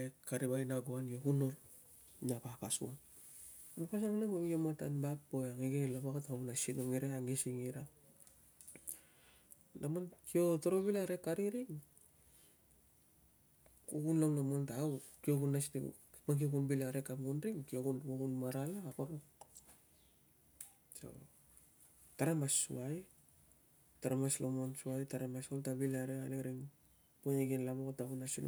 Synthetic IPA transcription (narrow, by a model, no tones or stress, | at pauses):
ekaɾibajnaɡoanjoɡunol | nabakasṵan | mupasaŋnamamijomata̰nbakpojaŋiɡelabaɡataunasinoŋiɾaaŋɡesiŋiɾa | namonkio̞toɾobilaɾekaɾiɾiŋ | kuɡunlownamontakio̞ɡunastḭ | maŋk̬iokunbilaɾe̞kamunɾiŋkioɡunoɡunmaɾalaːkoɾo | so̰ | taɾemasːṵaj | taɾemaslomonsuajtaɾemasoltabilaɾealeɾiŋ | poneɡinlamoktakunasin̰